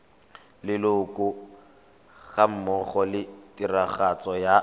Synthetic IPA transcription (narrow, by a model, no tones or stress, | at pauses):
lɪlʊkʊ | ɣam̩mɔχɔlɪtʼiraχat͡sɔja